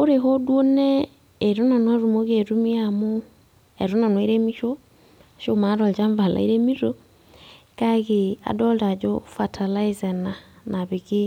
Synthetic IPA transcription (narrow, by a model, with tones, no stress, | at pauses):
o˦ɾe˨ɦo˦dwo˦nɛː˦˨ | ɾo˦na˨nwa˦ɾu˨mo˦ɣe˨ɾu˦mi˦amo˦ | e˨ɾo˦na˨nwi˦ɾemi˦ʃo˦ | ʃo˦ma˦ɾɔ˨ld͡ʒa˦ɱva˨la̰˨i˦ɾe˦mi˦ɾo | ka˦ɣe˨a̰˨dɔ˦lda˨d͡ʒofa˨tʰa˨la˦ize˨na˨na˨βi˨ɣi˦